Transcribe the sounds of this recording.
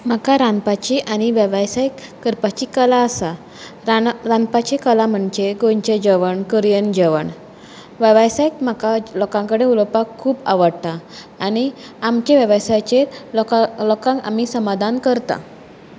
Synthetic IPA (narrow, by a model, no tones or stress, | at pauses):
m̤akaɾanpat͡ɕiʔaɽ̃iʋəʋajsajkːəɾpat͡ɕikəlaəsa | ɾãnpat͡ɕekəlam̤əɳd͡ʑeɡoɲt͡ɕed͡ʑəʋəɳkəɾjənd͡ʑəʋəɳ | ʋəʋajsajkm̤akalɔkãŋkəɽeuləpakʰːuːba̰ʋəɽt̪aː | ñi | amt͡ɕeʋəʋəsat͡ɕe | lɔkãŋka̰m̤isəmad̪ʱankəɾt̪a̰